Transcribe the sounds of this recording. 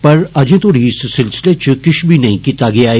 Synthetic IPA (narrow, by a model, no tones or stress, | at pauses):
pɐɾɐd͡ʒẽt̪ʰoːɽissɪlsɪlet͡ʃkɪt͡ʃʰbʱinɐɦĩkiːt̪aɡɐjae